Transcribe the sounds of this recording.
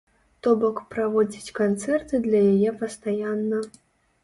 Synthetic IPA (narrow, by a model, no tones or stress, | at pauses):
t̪ɔbɔkpɾavɔd͡zʲit͡sʲkant̪sɛrt̪ɨd̪lʲɐjajɛpɐst̪ajanːɐ